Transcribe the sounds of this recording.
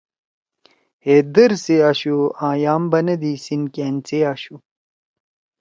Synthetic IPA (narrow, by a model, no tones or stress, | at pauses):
heːd̪ɐɾseaːɕuãːjaːmbɐnɐd̪iːsinkeːnt͡seaːɕu